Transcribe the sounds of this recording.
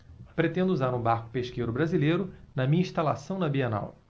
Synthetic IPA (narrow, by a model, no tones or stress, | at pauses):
pɾet̪ẽnd̪ʊuzaɾũbaɾkʊ̥peʃkejɾʊbɾazilejɾʊnɐmĩɲɐĩʃt̪alasɐ̃w̃nɐbiɐna̰w